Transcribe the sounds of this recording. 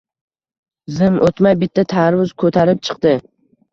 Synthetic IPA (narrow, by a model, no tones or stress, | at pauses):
zɪmʔot̪majbɪt̪ʰːat̪ʰaɾvʊzkʰɵt̪ʰaɾɪp̚t͡ʃʰɨ̥qd̪ɪ